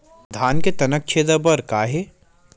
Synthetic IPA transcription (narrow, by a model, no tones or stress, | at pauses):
d̪ʱaːnket̪ɐnək̚t͡ʃʰeːd̪ɐbɐɾkaːɦeː